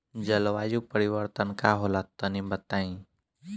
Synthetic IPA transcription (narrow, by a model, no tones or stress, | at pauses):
d͡ʒəlʋaːjupəɾɪwəɾt̪ənkaɦolat̪ənibət̪aːĩ